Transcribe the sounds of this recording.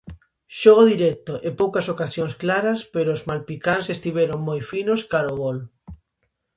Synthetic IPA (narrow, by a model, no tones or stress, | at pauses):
ʃoɣ̞oðiɾɛk̚t̪oʔepowkɐsokasjoŋsklaɾɐspeɾoːzmalpikansest̪iβeɾoŋmojfinoskaɾoβol